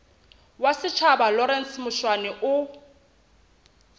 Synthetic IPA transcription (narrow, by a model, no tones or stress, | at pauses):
wasɪt͡ʃʰabalɔɾɛn̩smʊʃwanɛʔʊ